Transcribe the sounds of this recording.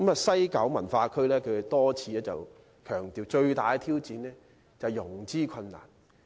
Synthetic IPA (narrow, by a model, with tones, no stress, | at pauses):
mɐː˨sɐ˥jkɐ˨˥wmɐ˨˩nfaː˧kʰɵ˥ɥlɛː˥kʰɵ˨˧˨t̪ɔː˥t͡sʰiː˨˧lɛː˥t͡sɐ̰˨w | kʰœː˨˩ŋt̪iː˨˩wt͡ʃɵ˧ɥt̪aː˨˧jt̪ʰiː˥wt͡siː˨˧nlɛː˥ | t͡sɐ˨˩wjʊ˨˩ŋt͡siː˥kʰɐ˧nːa̰ː˨˩n